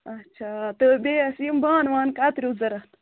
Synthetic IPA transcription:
ɐt͡ʃʰaːt̪əbeɐsijimbaːnwaːnkat̪ɾʲuzɐɾɐt̪

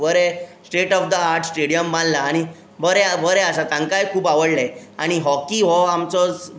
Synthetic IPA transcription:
bəɾesʈeʈɔfd̪əaɾʈʰsʈeɽijəmbãnlaːɽ̃i | bəɾeabəɾɛasat̪ãŋkajkʰuːpaʋəɽleaɽ̃iɦɔkiɦɔamt͡sɔt͡s

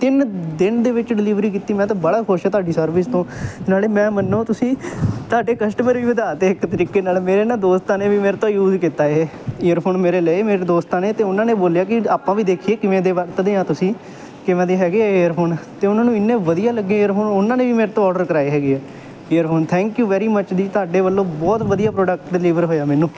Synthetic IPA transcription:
t̪ɪnd̪ɪnd̪eːʋɪt͡ʃɖɪliːʋɾiːkiːt̪iːmɛ̃ːt̪ãːbəɽaːkʰʊɾʃɛːt̪ʊaːɖiːsəɾʋɪst̪õːt̪ɪnaːleːmɛ̃ːmənːõːt̪ʊsĩːt̪ʊaːɖeːkəsʈəməɾʋiːʋəd̪aːt̪eːɪkt̪əɾiːkeːnaːlmeːɾeːnaːd̪oːst̪ãːneːʋiːmeːɾt̪õːjuːzkit̪aːeːeːəɾpʰoːnmeːɾeːləiemeːɾeːd̪oːst̪aːneːt̪eːʊnãːnẽːboːljaːk̬ɪaːpãːʋiːd̪eːkʰieːkɪʋẽːd̪eːʋəɾt̪d̪eːãːt̪ʊsĩː | kɪʋɛ̃ːd̪eːɦɛːɡeːɛeːəɾpʰoːnt̪eːʊnãːnũːɪnːẽːʋəd̪ijaːləɡːẽːeːəɾpʰoːnʊnãːnẽːʋiːmeːɾet̪õːɔːɖəɾkəɾaːeːɦɛːɡeːɛː | eːəɾpʰoːnt̪ʰɛ̃ːŋkjuːʋɛːɾiːmət͡ʃd̪iːt̪ʊaːɖeːʋəlːõːbɔːt̪ʋəd̪ijaːpɾoːɖək̚ʈɖɪliːʋəɾɦoːjaːmɛːnũː

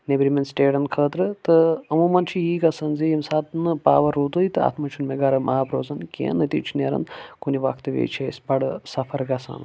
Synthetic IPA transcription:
nebɾimensʈeːɖɐnkʰəːt̪ɾɨt̪ɨɐmuːmɐnt͡ʃʰijiːɡɐsɐnzijimsaːt̪nɨpaːʋɐɾuːt̪ujit̪ɨa̰ːt̪ʰmɐt͡ʃʰunmeɡɐɾɐmaːbɾoːzɐnkʲḛːnɨt̪ḭt͡ʃʰineːɾɐ̰nkuniʋɐkʰt̪ɨʋḛːt͡ʃʰesʲbɐɽɨsɐfʰɐɾɡɐsɐ̰n

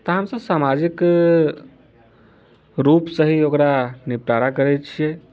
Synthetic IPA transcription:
t̪ɔɦəmsə̃samad͡ʒik | ɾupsəɦiokɾanipɾaɾakəɾɛt͡ʃʰijɛ

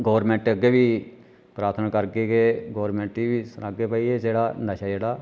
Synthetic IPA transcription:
ɡoːʋɾmɛ̃ːɳʈəɡːeːʋiː | pɾaːt̪ʰnaːkəɾkeːkeːɡoːɾmẽːɳʈiːʋiːsənaːɡeːpaːiːed͡ʒeːɽaːnəʃaːd͡ʒeːɽaː

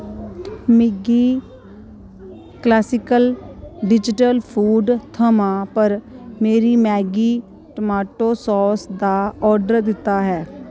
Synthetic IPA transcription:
mɪɡiː | klɛːsɪkəlɖɪd͡ʒɪʈəlpʰuːɖt̪ʰəmãːpəɾmeːɾiːmɛːɡiː | ʈəmaːʈoːsɔːsd̪aːɔːɾɖəɾd̪ɪt̪ːaːɦɛː

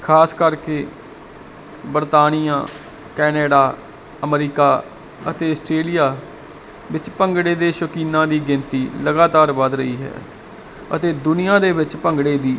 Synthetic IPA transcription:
kʰaːskəɾkeː | bəɾt̪aːnijã̰ː | kɛːneːɖaː | əmɾiːkaː | ət̪eːəsʈɾeːlijaː | ʋɪt͡ʃpəŋɡɽeːd̪eːʃəkiːnãːd̪iːɡɪnt̪iːləɡaːt̪aːɾʋəd̪ɾəḭːɦɛ̰ː | ə̰t̪eːd̪ʊnɪjãːd̪eːʋɪt͡ʃpəŋɡɽeːd̪iː

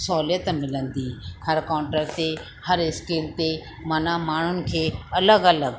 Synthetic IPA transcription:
sɔːljət̪mɪlə̃nd̪iːkʰəɾkãːʊ̃ɳʈɾəɾt̪e | həɾɪskilt̪e | mɐnamaːɳ̤ʊnɪ̆kʰeːɐləɡɐləɡ

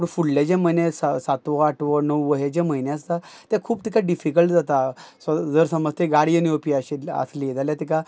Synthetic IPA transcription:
pəɳfuɽled͡ʑẽməjnẽsasat̪ʋəaʈʰʋənəwʋəɦed͡ʑeməjneəs̬t̪at̪ekʰuːb̚t̪ikaɖifikəlʈd͡zat̪asd͡zəɾsəməd͡zt̪eɡaɽiəniopiaɕeə̰slid͡zaljat̪ika

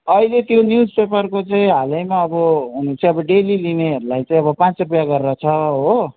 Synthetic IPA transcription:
ʌilet̪jonjud͡zpepʌrkot͡saĩɦalʌjmaʌbʌɦunũt͡sʌĩʌbʌɖelilineɦʌɾulajt͡sãĩʌbʌpãt͡srupjaɡʌrrʌt͡sʰʌɦo

